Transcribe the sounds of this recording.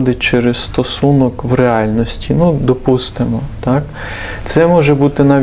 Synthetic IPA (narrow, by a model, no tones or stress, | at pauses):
d̪ɪt͡ʃɛɾɛsst̪ɔsunɔkʋreɑlʲnɔsʲtʲinud̪ɔpust̪ɪmɔt̪ɑk | t̪sɛmɔʒɛbut̪ɪnɐʋʲ